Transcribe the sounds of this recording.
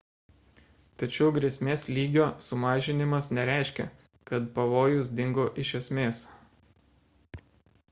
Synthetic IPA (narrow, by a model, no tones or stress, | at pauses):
t̪ɐt͡ʃʲɛʊɡɾʲɛsʲmʲeːslʲiːɡʲoːsʊmɑːʒʲɪnʲɪmɐsnʲɛɾʲæˑɪʃʲkʲɛ̰ | kɐt̪pɐʋoːjʊs̬d̪ʲɪŋɡoːʔɪʃʲɛsʲmʲeːs